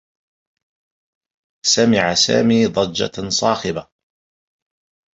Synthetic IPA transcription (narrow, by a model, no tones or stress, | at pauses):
samɪʕasa̰ːmiːd̪ˤɑd͡ʒːa̰sˤɑːxɪba